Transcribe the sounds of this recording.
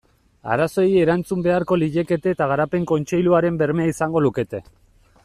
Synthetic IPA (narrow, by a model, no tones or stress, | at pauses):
a̰ɾaso̞eje̞ɾant͡sumbe̞aɾko̞liʎe̞ke̞t̪eːt̪aɣaɾape̞ŋko̞nt͡ʃe̞jluaɾe̞mbe̞ɾmeaisaŋɡo̞luke̞t̪e̞